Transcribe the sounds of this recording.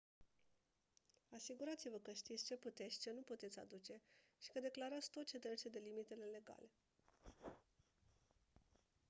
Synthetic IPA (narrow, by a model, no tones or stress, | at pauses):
asiɡuɾat̪sivəkəʃt̪it̪sʲt͡ʃe̞put̪e̞t̪sʲt͡ʃe̞nuput̪et̪sʲa̰d̪ut͡ʃe̞ʃi̥kəd̪eklaɾat̪sʲt̪ot̪̚t͡ʃe̞t̪ɾet͡ʃed̪e̞limit̪e̞le̞le̞ɡa̰le̞